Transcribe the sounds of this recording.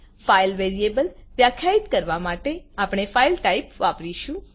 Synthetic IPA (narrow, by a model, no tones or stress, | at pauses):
failʋeɾiebəlʋjakʰjait̪kəɾʋamaʈeapɽ̃efailʈaipʋapɾiʃũ